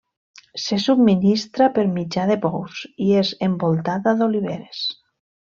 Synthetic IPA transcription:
sesub̚minist̪ɾapeɾmid͡ʒaðepɔwsiezembolˠt̪aðaðoliβ̞eɾes

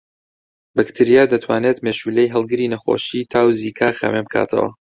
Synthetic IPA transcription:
bɨkt̪ʰiɾijaːd̪ɐt̪ʰwaːneːt̪meʃulejɦɨlˠɡɨɾiːnɐxo̞̰ʃiːt̪ʰaːwziːkʰaːxa̰membkʰa̰ːt̪ʰɐ̰wɐ̰

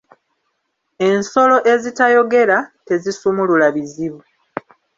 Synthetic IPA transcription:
e̞nso̞lo̞ʔe̞zitajo̞ɡe̞ɾate̞zisumululaβiziβu

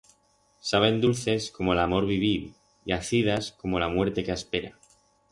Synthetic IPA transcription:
saβ̞e̞nd̪ulθe̞sko̞mo̞lamo̞ɾβiβ̞il | iaθið̞asko̞mo̞lamwe̞ɾt̪e̞keaspe̞ɾa

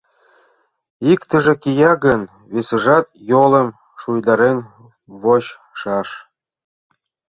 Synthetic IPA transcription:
ikt̪ə̆ʒĕkijɑɡən | βesə̆ʒɑt̪̚jolə̆m | ʃujd̪ɑɾen | βoɕ | ʃɑʃ

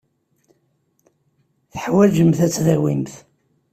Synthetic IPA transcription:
θħwæd͡ʒəmθæt͡sːðæwimθ

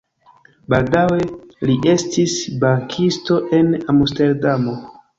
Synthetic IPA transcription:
baldawe̞liʔe̞stisbaŋkʰisto̞ʔe̞namuste̞ɾdamo̞

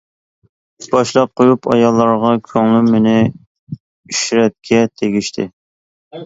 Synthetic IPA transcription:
b̥ɑʃlˠɑp̚qʰojupʰɑ̰jɑlˠːɑɾʁɑkʲʰøŋlymːenɪ | yʃɾɛt̪̚kʲʰɛt̪ʰeɡʲiʃt̪ʰɪ̰

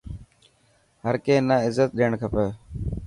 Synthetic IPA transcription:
ɦəɾkeːnaːɪzət̪̚ɗeːəɳkʰəpeː

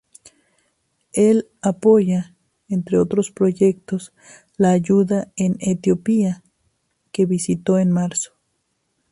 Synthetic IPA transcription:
el | apoʝa | ent̪ɾeot̪ɾospɾoʝek̚t̪os | laːʝuðaenet̪jopia | keβisit̪oenmaɾso̥

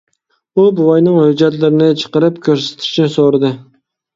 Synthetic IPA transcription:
ʊbʊwɑjnɪŋhɵd͡ʒat̪lɪɾɪnɪt͡ʃʰɨ̥qɨɾɪpkʲʰɵɾsɪ̥t̪ʰɪ̥ʃnɪsoɾd̪ɪ

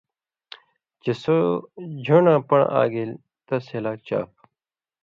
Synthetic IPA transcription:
t͡ɕesod͡ʑʱoːnãːpɐɳa̰ːɡel | t̪ɐshelaːk̚t͡ɕa̰ːp̚

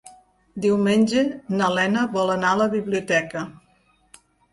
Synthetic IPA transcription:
d̪iwmenʲd͡ʒenəlɛnəβɔlənaləβiβliut̪ɛkə

